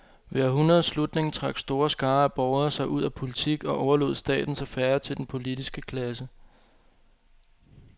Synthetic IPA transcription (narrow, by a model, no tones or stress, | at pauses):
ʋeːɐɦunɐðˠslud̥ne̝ŋt͡sʰʁɑ̈ɡ̥sd̥o̝ːɐsɡ̥ɑ̈ːæb̥ɒʊɐsɑ̈ɪʔuð̞̰ˠæpʰo̝lit͡sʰiɡ̥ɒ̽ʔɒʊɐlo̝ð̞̰ˠsd̥ɛ̰ːd̥n̩sɑ̈ɪfæɐt͡sʰe̝ld̥enpʰo̝lid̥isɡ̥əkʰlæs̬ə